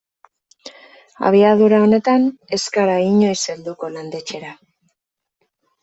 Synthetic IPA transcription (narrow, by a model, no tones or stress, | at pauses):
a̰β̞iaðuɾao̞ne̞t̪ane̞skaɾaiɲo̞jse̞ld̪uko̞land̪e̞t͡ʃe̞ɾa